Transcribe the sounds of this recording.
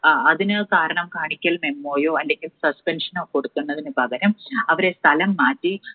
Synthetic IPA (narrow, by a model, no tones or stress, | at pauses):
ɐðinɨkaːɾɐɳɐmkaːɳikʲːɐlmemːoːjoːɐndeŋʲumsɐspenʂɐnoːkːo̞ɽukːunːɐðinɨbʱɐɣɐɾɐmɐʋɐɾe̞st̪ʰɐlɐmːaːtːi